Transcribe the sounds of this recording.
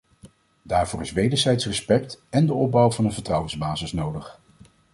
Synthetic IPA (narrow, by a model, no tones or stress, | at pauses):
daːɹvʊːɹɪsʋejdəɹzɛjtsrəspɛktɛndəɔb̚bɑwvɑnənvəɹtrʌwənzbaːzɪsnowdəχ